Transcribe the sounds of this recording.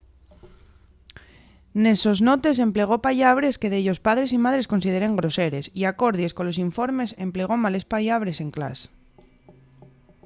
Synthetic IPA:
ne̞so̞zno̞t̪e̞s̬e̞mple̞ɣ̞o̞paʎaβ̞ɾe̞ske̞ðeʎo̞spaðɾe̞simaðɾe̞sko̞nsið̞e̞ɾe̞ŋɡɾo̞se̞ɾe̞siako̞ɾðisko̞nlo̞siɱfo̞ɾme̞se̞mple̞ɣ̞o̞male̞spaʎaβɾe̞se̞ŋkla̰s

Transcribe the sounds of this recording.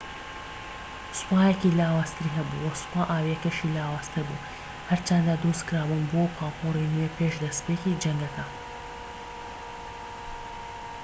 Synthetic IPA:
sʊ̥paːjɛkilaːwaːst̪ʰɨɾiɦɐbṵwɐsʊ̥paːʔaːwiɛkɐʃiːlaːwaːst̪ʰɨɾbṵ | hɐɾt͡ʃɐnd̪ad̪uskɾaːbunbopʰaːpʰorinepʰeːʃd̪ɐspeːkid͡ʒɐŋɡɐkɐ

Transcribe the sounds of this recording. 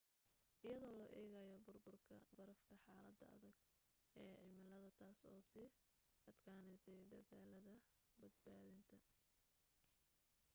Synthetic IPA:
ʔɪjɐðɔːlɔːʔɛːɣajɔbʊrbʊrkʰɐ̰bɐɾɐfkʰɐħaːlɐd̪ɐɐ̰ðɐɡ | ʔɛːʕɪmɪlɐðɐt̪ʰaːsɔːsiː | ɐd̪kʰaːnɛsɛjd̪ɐðaːlɐðɐ | bɐd̪̚baːðɪnt̪ʰɐ

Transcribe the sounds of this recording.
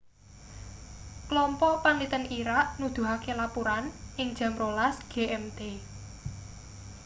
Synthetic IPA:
klɔmpɔʔpaŋit̪əniɾaʔnud̪̥ṳɦakelapuɾanʔɪŋ̥ʒ̥ä̤mɾolasɡ̥eʔɛmt̪e

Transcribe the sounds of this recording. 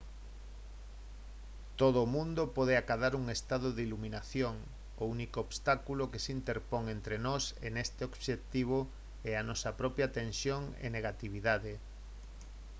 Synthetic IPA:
t̪oð̞ʊoːmũnd̪opɔðeakaðaɾuŋest̪aðʊðiluminaθjoŋ | ounikoːβst̪akulokesint̪eɾpoŋent̪ɾenɔsenest̪eobʃet̪iβ̞o | ɛanɔsɐpɾɔpjat̪ẽnsjoŋɛ̰neɣat̪iβ̞iðaðe

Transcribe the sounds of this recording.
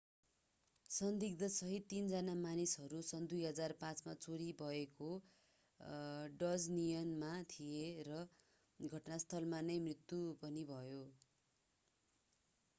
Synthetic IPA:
sʌnd̪ik̚d̪ʌsʌɦit̪ːind͡zanamanisɦʌɾusʌnd̪ujɦʌd͡zarpãt͡smat͡soɾibʱʌeko | ɖʌd͡znijʌnmat̪ʰijerʌ | ɡʱʌʈnast̪ʰʌlmanʌjmrit̪ːupʌnibʱʌjo

